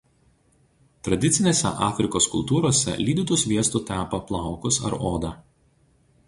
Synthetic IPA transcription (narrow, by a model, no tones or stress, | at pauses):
t̪ɾɐd̪ʲɪt̪sʲɪnʲeːsʲɛ̰ʔɑːfʲɾʲɪkoːskʊlˠt̪uːɾoːsʲɛ̰lʲiːd̪ʲɪt̪ʊsʋʲiɛst̪uˑt̪ʲæːpɐplˠɑˑʊkʊsɐ̰ɾoːd̪ɑː